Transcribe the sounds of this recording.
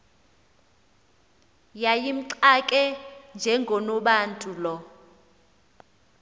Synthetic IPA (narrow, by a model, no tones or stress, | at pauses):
jajim̩ǀakʼɛnd͡ʒʱɛŋɡʱɔnɔɓaːntʼulɔ